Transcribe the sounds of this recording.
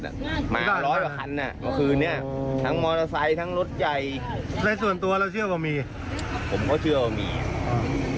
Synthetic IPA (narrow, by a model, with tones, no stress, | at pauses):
a̰˨˩ma̰ː˦˧aː˥˩lɔː˦˥jwa˧˩kʰa˧nʔa˨˩ma˧kʰɯː˧nɯ˥˩ɐt̪ʰa˦˥ŋmɔː˧la˧sa˧˥jt̪ʰa˦˥ŋɾo˦˥t̪̚ja˨˩jla˧˥s̬u˨˩ənt̪u˧ɐlɛː˦˥wt͡ɕʰɯ˥˩əwaː˧miː˧ | pʰo˨˩˦mkʰɔː˥˩t͡ɕʰɯ˥˩ɐwaː˧˩mḭː˧ʔɔː˧˩